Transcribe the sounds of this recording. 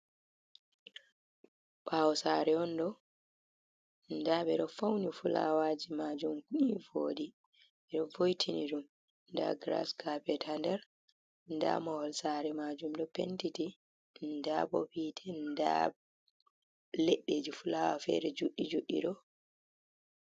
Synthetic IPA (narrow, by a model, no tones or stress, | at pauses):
pʰawɔsaɾɛɔndɔ | ndaɓɛɗɔfawnifula̰wad͡ʒimad͡ʒumkuivoːdi | ɛɗɔvojtʰiniɗum | nda̰ɡɾa̰skapɛtʰandɛɾ | nda̰mɔhɔlsaɾɛmad͡ʒumdɔpentiti | ndabɔ̰pitʰɛnnda̰ | leɗːed͡ʒifulawafɛ̰ɾɛd͡ʒuɗːid͡ʒuɗːḭɗɔ